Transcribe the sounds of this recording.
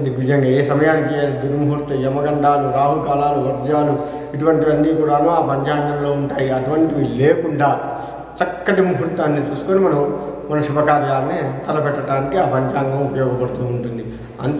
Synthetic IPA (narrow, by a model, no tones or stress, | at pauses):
d̪iɡʋid͡ʒɐŋɡaeːsɐmɐjaːnɐkejaːlid̪uɾmuɦuɾt̪ːɐɛmɐɡɐɳɖaːluɾaːɦukaːlaːluʋɐɾd͡ʒaːlu | iʈuʋɐɳʈiʋɐnːiːkuːɽaːnuːaːpɐɲd͡ʒaːŋɡɐmlo̞ːuɳʈaːjiɐʈuʋɐɳʈiʋileːkuɳɖaː | t͡ʃɐkːɐʈimuɦuɾt̪ːaːnːit͡ʃuːsu̥koːnimɐnɐmmɐnɐʃubʱɐkaːɾjaːnːit̪ʰɐlɐpɛʈːɐʈaːnikiaːpɐɲd͡ʒaːŋɡɐmupɐjɔːɡɐpɐɽut̪uːɳʈund̪i | ɐ̰nt̪